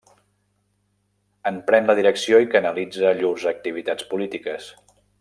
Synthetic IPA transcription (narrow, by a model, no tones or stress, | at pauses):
əmpɾɛnləð̞iɾəksioikənəlid͡zəʎuzək̚t̪iβ̞it̪at͡spulit̪ikəs